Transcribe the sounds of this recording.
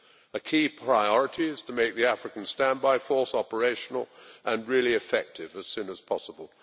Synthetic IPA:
əkʰipʰɹ̥aɪɔɹəɾiz̥tʰəmeɪk̚ðiæfɹɨkə̃n̩stæ̃nbaɪfɔˑɹsɑpə˞eɪʃn̩l̩ˠʔə̃nɹɪlˠiɨfɛk̚tʰɪvɨz̥sʉ̃nəz̥pʰɑsəbəlˠ

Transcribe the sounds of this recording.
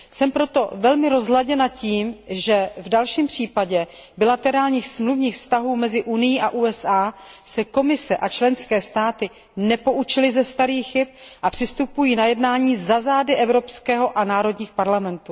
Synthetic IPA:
sɛmpɾo̞t̪o̞vɛlmɪɾo̞zɦlaɟɛnaciːmʒɛvdalʃiːmpr̝̥iːpaɟɛ | bɪlat̪ɛɾaːlɲiːxsmluvɲiːxfst̪aɦuːmɛzɪʔunɪjiːʔaʔuːɛsʔaːsɛko̞mɪsɛʔat͡ʃlɛnskɛːst̪aːt̪ɪ | nɛpo̞ʔut͡ʃɪlɪzɛst̪aɾiːxxɪp̚ʔapr̥ɪst̪upujiːnajɛdnaːɲiːzazaːdɪʔɛvɾo̞pskɛːɦo̞ʔanaːɾo̞dɲiːxpaɾlamɛnt̪u

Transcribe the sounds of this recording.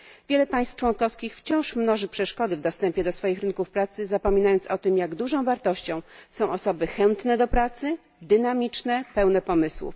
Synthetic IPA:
vʲjɛlɛpaj̃st̪ft͡ʂwɔnkɔfskʲixft͡ɕɔ̃w̃ʂmnɔʐɘpʂɛʂkɔd̪ɘvd̪ɔst̪ɛmpʲjɛd̪ɔsfɔjixɾɘnkufpɾat̪sɘzapɔmʲinajɔntsɔt̪ɘmjaɡd̪uʐɔ̃w̃vaɾt̪ɔɕt͡ɕɔ̃w̃sɔ̃w̃ʔɔsɔbɘxɛnt̪nɛd̪ɔpɾat̪sɘ | d̪ɘnamʲit͡ʂnɛpɛwnɛpɔmɘswṵf

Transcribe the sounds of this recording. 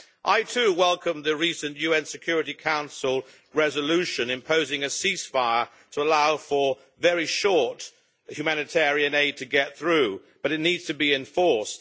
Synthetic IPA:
ʔaɪtʰʉwɛlˠkə̃mðɨɹisɨ̃njʉɛ̃nsɨkʰj̥ʊɹɨɾikʰãʊ̃nsl̩ˠ | ɹɛzəlʉʃɨ̃nɨ̃mpʰoʊzɪ̃ŋɨsisfaɪə˞ | ɾʰəəlaʊfə˞ | vɛɹiʃɔɹt | hjʉmænɨtʰɛɹiɨ̃neɪd̚tʰɨɡɛt̪̚θɹʉ | b̥ʌɾɨtⁿnidz̥tʰɨbiɨ̃ɱfɔɹst

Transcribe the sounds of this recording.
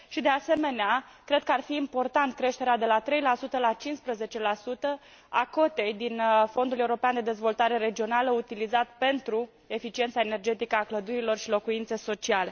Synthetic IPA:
ʃid̪ease̞me̞nea | kɾe̞d̪̚kəarfiːmpo̞rt̪ant̪̚kɾe̞ʃt̪e̞ɾead̪e̞lat̪ɾe̞jlasut̪əlat͡ʃinspɾəze̞t͡ʃe̞lasut̪ə | ako̞t̪e̞jd̪info̞nd̪ule̞uɾo̞peand̪e̞d̪e̞zvo̞lt̪aɾe̞ɾe̞d͡ʒio̞naləut̪ilizat̪pe̞nt̪ɾu | e̞fit͡ʃie̞nt̪saene̞rd͡ʒe̞t̪ikəakləd̪uɾilo̞rʃilo̞kuint̪se̞so̞t͡ʃiale̞

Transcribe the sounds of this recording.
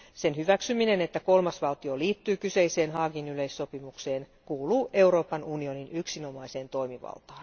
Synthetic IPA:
se̞nhyʋæksyminenet̪ːæko̞lmɑsʋɑlt̪io̞liːt̪ːyːkyse̞ise̞ːnɦɑːɡinyleisːo̞pimukse̞ːnkuːluːʔe̞wɾo̞ːpɑnunio̞ninyksino̞mɑise̞ːnt̪o̞imiʋɑ̰lˠt̪ɑːn

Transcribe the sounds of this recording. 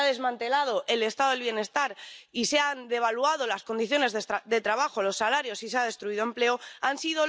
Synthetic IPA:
aðe̞zmãnt̪e̞lað̞o̞ʔe̞le̞st̪aðoelβje̞ne̞st̪aɾiseand̪e̞β̞aluað̞o̞lasko̞nd̪iθjo̞ne̞zd̪e̞t̪ɾaβaxo̞lo̞sːalaɾjo̞siseaðe̞st̪ɾuiðoe̞mple̞oansiðo̞

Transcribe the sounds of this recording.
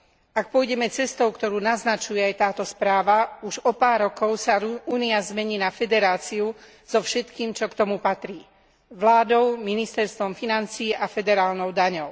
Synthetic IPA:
ak̚pɔjɟɛmɛt͡sɛst̪ɔʊkt̪ɔɾuːnaznat͡ʃujɛajt̪aːt̪ɔspɾaːʋauʒɔpaːɾːɔkɔʊsauːniazmɛɲiːnafɛd̪ɛɾaːt͡siu | z̥ɔfʃɛt̪kiːmt͡ʃɔkt̪ɔmupat̪ɾiː | ʋlaːd̪ɔʊminist̪ɛɾst̪ʋɔmfinant͡siːʔafɛd̪ɛɾaːlnɔʊd̪aɲɔʊ

